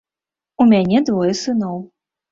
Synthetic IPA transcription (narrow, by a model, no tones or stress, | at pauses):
umʲanʲɛd̪vɔjɛsɨnɔw